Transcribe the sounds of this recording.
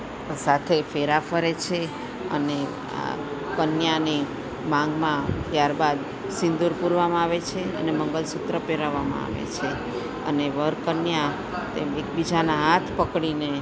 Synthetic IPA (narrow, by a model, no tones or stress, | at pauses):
sat̪ʰefeɾafəɾet͡ʃʰe | ə̰ne | a̰kənjani | mãŋɡmãt̪jaɾbad̪ | sɪ̃nd̪uɾpuɾʋamãaʋet͡ʃʰeə̰neməŋɡəlsut̪ɾəpeɾaʋamã̰a̰ʋḛt͡ʃʰe | ə̰neʋəɾkənja | t̪ḛmek̚bid͡ʒanaɦat̪ʰpəkɽine